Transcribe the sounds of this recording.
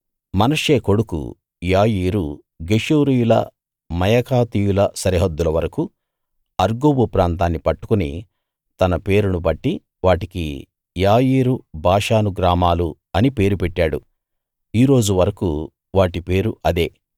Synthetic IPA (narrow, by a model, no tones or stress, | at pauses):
mɐnɐʂeːko̞ɽukṵ | jaːjiːɾu | ɡe̞ʂuːɾijulɐ̰ | mɐjɐkaːt̪ijulɐsɐɾiɦɐd̪ːulɐʋɐɾɐku | ɐɾɡoːbupɾaːnt̪̬aːnːipɐʈːu̥kunḭ | t̪ɐnɐpe̞ːɾunubɐʈːi | ʋaːʈikḭ | jaːjiːɾubʱaːʂaːnuɡɾaːmaːlu | ɐnipe̞ːɾupɛʈːaːɽṵ | iːɾo̞ːd͡ʒuʋɐɾɐkṵ | ʋaːʈipe̞ːɾuʔɐd̪e̞ː